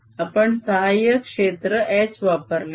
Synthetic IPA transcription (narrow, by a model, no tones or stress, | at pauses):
apəɳsəɦajəkʂet̪ɾəʔet͡sʋapəɾl